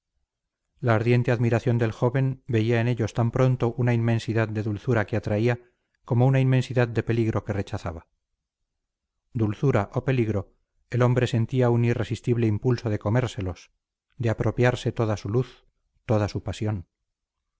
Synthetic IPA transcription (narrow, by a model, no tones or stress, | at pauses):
laːɾðje̞nt̪e̞aðmiɾaθjo̞nd̪e̞lxo̞βe̞mbe̞iae̞ne̞ʎo̞st̪ampɾo̞nt̪o̞ʔunainmẽ̞nsiðað̚d̪e̞ðulθuɾakeat̪ɾaia | ko̞mounaime̞nsiðad̪̚d̪e̞pe̞liɣɾo̞ke̞re̞t͡ʃaθaβa | d̪ulθuɾaʔope̞liɣɾo̞ | e̞lo̞mbɾe̞se̞nt̪iaunire̞sist̪iβleimpulso̞ðe̞ko̞me̞ɾse̞lo̞s | d̪eapɾʔo̞pjaɾse̞t̪o̞ð̞asuluθ | t̪o̞ðasupasjo̞n